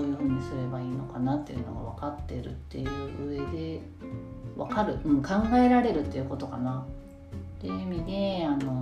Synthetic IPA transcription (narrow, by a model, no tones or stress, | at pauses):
joːɲ̟isɨɾe̞baiːno̞kanat̪ːe̞jɯ̟noɡa̰β̞akat̪ːe̞ɾɯ̟̰t̪ːe̞jɯ̟ːʔɯe̞d̪e̞ | βakaɾɯ̟ʔɯ̟̃ɴkãŋɡae̞ɾaɾe̞ɾɯ̟t̪ːeiɯ̟ko̞t̪o̞kana | t̪eimʲid̪eano̞